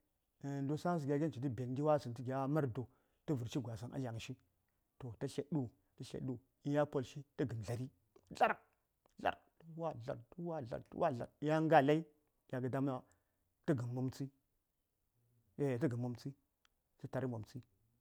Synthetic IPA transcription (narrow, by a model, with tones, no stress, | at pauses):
n˦do˦sa˦sə˨ɡʲa˨˦ɡʲe˦n˨t͡ʃi˨ti˦be˨nɡʲi˦wa˦sə˨ntə˦ɡʲa˨˦ma˦ɾdo˨ | tə˦vu˨ɾʃi˦ɡʷa˨sa˨nʔa̰˦lʲa˨ŋʃi˦ | to˨ta˦ʃe˨ɗu˦ | tə˦ɬḛ˨ɗu˦ | i˦ja˦po˦lʃi˦tə˦ɡə˨m˨ɮa˨ɾi˦ | ɮa˦ɾk | ɮa̰˨ɾktu˦wa˦ɮa̰˨ɾtu˦wa˦ɮa̰˨ɾtṵ˦wa˦ɮa̰˨ɾja˦ŋ˦ɡa˦˨la˦i˦ | jʲa˨ɡə˨da˦m˦a˦ | tə˦ɡə˨mːu˨mt͡si˦ | e˨t̬ə˦ɡə˨mːu˨mt͡si˦ | si˦ta˨ɾi˦mo˨mt͡si˦